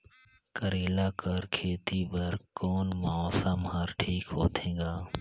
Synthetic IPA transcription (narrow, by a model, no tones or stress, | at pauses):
kəɾeːlaːkəɾkʰeːt̪iːbəɾkoːnmaoːsamɦaɾʈʰiːkɦo̰ːt̪ʰẽːɡaː